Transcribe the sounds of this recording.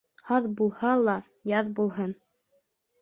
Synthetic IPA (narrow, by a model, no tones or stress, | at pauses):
hɑðbulˠhɑlˠɑ | jɑðbulˠɦɤn